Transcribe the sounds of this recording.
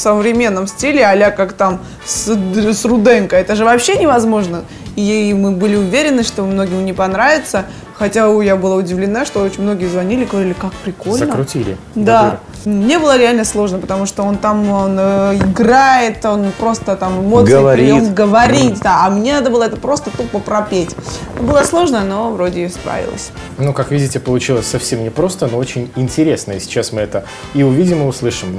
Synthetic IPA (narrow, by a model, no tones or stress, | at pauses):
səvɾʲɪmʲenːəmsʲtʲilʲɪɐlʲakakt̪am | ssrʊd̪ɛnkəɛt̪əʐɨvɐpɕːe̞nʲɪvɐzmo̞ʐnə | imɨbɨlʲɪʊvʲeɾʲɪnːɨʂt̪omno̞ɡʲɪmnʲɪpɐnɾavʲɪt̪sə | xɐtʲaujabɨlˠaʊdʲɪvlʲɪnaʂt̪o̞ot͡ɕɪnʲmno̞ɡʲɪjəzvɐnʲilʲɪɡəvɐɾʲilʲɪkak̚pɾʲɪko̞lʲnəɾʊtʲilʲɪ̰ | d̪a | mnʲe̞bɨlˠəɾʲɪalʲnəslˠo̞ʐnəpət̪ɐmuʂt̪oo̞nt̪amonɪɡrajɪt̪onpɾo̞st̪ət̪amɨmo̞t̪ɨənʲomɡəvɐɾʲit̚ʲd̪aɐmnʲe̞nad̪əbɨlˠəɛt̪əpɾo̞st̪ət̪upəpɾɐpʲetʲbɨlˠəslˠo̞ʐnəno̞vɾo̞dʲɪjspɾa̰vʲɪ̰lˠə̰sʲ | nukakvʲidʲɪtʲɪpəlˠʊt͡ɕilˠəsʲsɐfsʲemnʲɪpɾo̞st̪ənoot͡ɕɪnʲɪnʲtʲɪɾʲe̞snəɪsʲɪ̥t͡ɕasmɨɛt̪ə | iʊvʲidʲɪmɨʊslˠɨʂɨm